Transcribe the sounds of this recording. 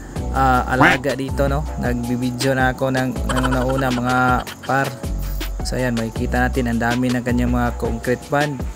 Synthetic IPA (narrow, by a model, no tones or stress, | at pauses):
aa̰laaɡaʔdit̪ononabibid͡ʒɔnaakonaŋnaŋunaunahməŋa | par | sa̰janmaikit̪anat̪inandaminaŋkaɲamaŋakoŋkɾɛt̪̚pan